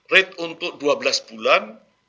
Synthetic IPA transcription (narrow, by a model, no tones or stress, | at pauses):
rɛt̪unt̪ʊʔ̚duabəlasbulan